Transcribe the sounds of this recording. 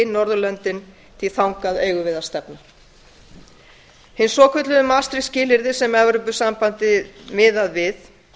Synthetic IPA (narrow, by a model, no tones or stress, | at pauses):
ɪnɔɾðʏlœnt̪ɪn | t̪ʰɪlθawŋkaðeːjɣʏvɪːðast̪ɛpna | hɪnsɔːkʰʏt̪lʏðʏmaːst̪ɾɪscɪːlɪɾðɪsɛmɛvɾʏp̬ʏsampant̪ɪmɪːðaðvɪθ